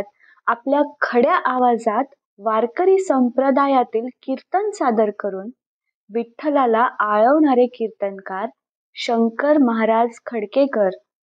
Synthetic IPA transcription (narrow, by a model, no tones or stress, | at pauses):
t̪̚ | apljakʰəɽjaʔaʋad͡zat̪ | ʋaɾkəɾiːsəmpɾəd̪ajat̪iːlkiɾt̪ənsad̪əɾkəɾuːn | biʈʰːəlalaʔaɭəʋɳaɾekiɾt̪ənkaɾ | ɕəŋkəɾməɦaɾad͡zkʰəɽkekəɾ